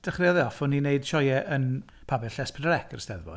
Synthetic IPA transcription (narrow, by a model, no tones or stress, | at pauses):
d̥ɛχrɪɔðɛɔfʊnːineɨd̥ʃɔjɛʔən | pʰabɛɬɛspʰədəɾɛkʰərəstɛðbɔ̰